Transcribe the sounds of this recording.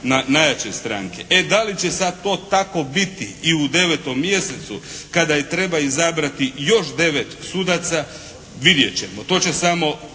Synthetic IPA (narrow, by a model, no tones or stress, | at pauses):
nanajat͡ɕest̪ɾaːŋkeʔed̪alit͡ɕesad̪̚t̪o̞ːt̪ako̞bit̪iiud̪e̞ʋet̪o̞mːje̞set̪sukad̪ajet̪ɾe̞baizabɾat̪ijo̞ʃd̪e̞ʋet̪sud̪at̪sa | ʋid̪jet͡ɕemot̪o̞ːt͡ɕesamo̞